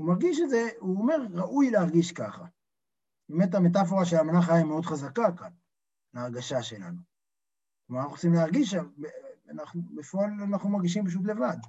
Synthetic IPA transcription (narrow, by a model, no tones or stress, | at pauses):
umaʁɡiʃedze̞uome̞ʁʁaʔujleaʁɡiʃkaχa | beme̞t̪̬ame̞t̬af̬o̞ʁaʃelamanaχajaimeo̞d̪χazakakan | laːʁɡaʃaʃe̞la̰nu | kmanaχuʁot͡simleaʁɡiʃabeanaχnubefoalanaχnumaʁɡiʃ̬impaʃ̬ut̬le̞vad̪